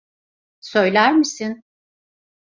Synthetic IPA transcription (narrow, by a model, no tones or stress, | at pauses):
søjlʲæɾmisin